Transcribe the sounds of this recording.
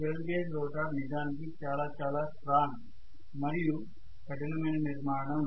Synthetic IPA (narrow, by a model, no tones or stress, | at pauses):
keːlɡeːd͡ʒɾɔːʈaːnid͡ʒaːnikit͡ʃaːlaːt͡ʃaːlaːsɾaːn | mɐɾiju | kɐʈɐnɐmɐjnɐniɾmaːɾɐɳɐm